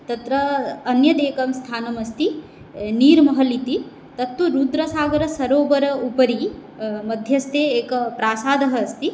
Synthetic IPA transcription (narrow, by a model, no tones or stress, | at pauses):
t̪ɐt̪ɾɐːnjɐd̪eːkɐmst̪ʰaːnɐmɐst̪i | niːɾmɐɦɐlit̪i | t̪ɐt̪ːuɾuːd̪ɾɐsaːɡɐɾɐsɐɾoːʋɐɾɐupɐɾi | mɐd̪ʱjɐst̪ʰeːeːkɐpɾaːsaːd̪ʱɐɦɐːst̪i